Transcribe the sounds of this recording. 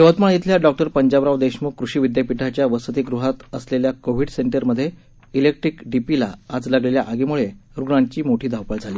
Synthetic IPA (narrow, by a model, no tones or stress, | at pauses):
jəʋət̪maɳit̪ljaɖɔk̚ʈəɾpəɲd͡ʑabɾaʋd̪eɕmukɾuɕiːʋid̪japiʈʰat͡ɕjaʋəsət̪iɡɾuɦat̪əsleljakoʋ̤iɖseɳʈəɾməd̪ʱːje | ilek̚ʈɾikɖipilaad͡zlaɡlelja̰ʔaɡimuɭeɾuɡɳãɲt͡ɕiːmoʈʰiːd̪ʱawpəɭd͡zʱaliː